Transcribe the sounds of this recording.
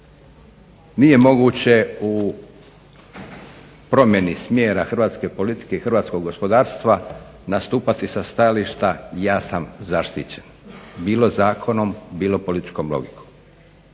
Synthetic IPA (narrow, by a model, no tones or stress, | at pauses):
nije̞mo̞ɡuːt͡ɕe̞u | pɾo̞mje̞nismjeːɾaxr̩ʋaːt̪ske̞po̞lit̪i̥ke̞ixr̩ʋaːt̪sko̞ɡɡo̞spo̞d̪aːɾst̪ʋa | nast̪uːpat̪isast̪ajaliʃt̪ajaːsamzaʃt̪ḭt͡ɕen | biːlo̞zaːkʰo̞no̞mbiːlo̞po̞lit̪i̥t͡ʃko̞mlo̞̰ɡikʰom